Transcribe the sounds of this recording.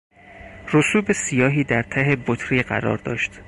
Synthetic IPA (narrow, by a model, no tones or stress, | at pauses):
rosuːbe̞sijɒːɦiːd̪æɾt̪ʰæɦebot̪ʰɾiɢæ̰ɾɒ̰ːɾd̪ɒ̰ːʃt̪